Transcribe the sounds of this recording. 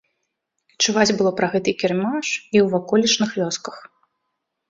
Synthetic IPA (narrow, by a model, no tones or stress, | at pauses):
t͡ʂuvat͡sʲbɨlˠɔpɾɐɣɛt̪ɨkʲɛrmaʂiwvakɔlʲit͡ʂnɨxlʲɔskɐ̥x